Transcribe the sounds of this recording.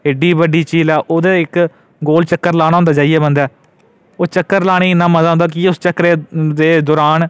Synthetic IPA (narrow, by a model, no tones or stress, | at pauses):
ɪɖiːbəɖiːt͡ʃiːlɛːʔoːd̪eːɪk | ɡoːlt͡ʃəkːəɾlãːãːʊ̃ːnd̪aːd͡ʒaːiɛːbənd̪ɛː | oːt͡ʃəkːəɾlaːɽ̃eːɪnːaːmənd̪aːɦʊ̃nd̪aːk̬iʊst͡ʃəkɾeːd̪eːd̪ɔːɾaːn